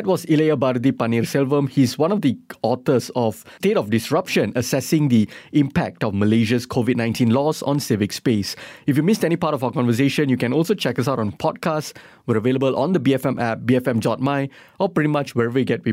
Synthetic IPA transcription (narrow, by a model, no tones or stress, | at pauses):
ɛt̚wɔzileəbaɾd̪ipaniɹsɛlvə̃mhizwãnɔfd̪iɔt̪əsɔftetɔfdɪsɹapʃə̃nəsɛsɪ̃ŋd̪iĩmpɛk̚tɔfməleʃəskʰovid̚ⁿnãɪj̃ntĩnlɔzɔ̰̃nsevɪkspesifjumɪstɛñipatɔfaʊəkɔ̃nvəs̬eʃə̃njukɛ̃nɔlsot͡ʃɛkəs̬aʊtɔ̃npʰɔd̚kʰast | wɛɹəveləbəlʔɔ̰̃nd̪əbiɛfɛ̃mʔɛbiɛfɛ̃md͡ʒɔt̚maɪ | ɔpɹiɾimat͡ʃwɛɹɛvəjuɡɛt̚wi